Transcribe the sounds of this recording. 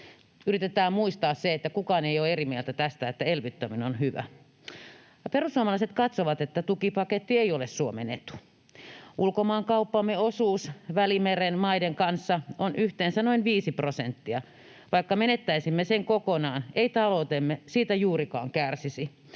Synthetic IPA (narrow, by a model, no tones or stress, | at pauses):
yrit̪et̪æːmmuist̪ɑːsseet̪ːækukɑːneijoːerimielt̪æt̪æst̪æet̪ːæelʋit̪ːøminonhyʋæ̰ | ɑperusːuomɑlɑiset̪kɑt̪soʋɑt̪et̪ːæt̪ukipɑket̪ːieiolessuomḛnḛt̪ːu̥ | ʔulkomɑːŋkɑupːɑmːeosuːsʋælimerenmɑideŋkɑnsːɑonyht̪eːnsænoinʋiːsiprosent̪ːiɑ | ʋɑikːɑmenet̪ːæisimːeseŋkokonɑːneit̪ɑlout̪emːesiːt̪æjuːrikɑːŋkærsisi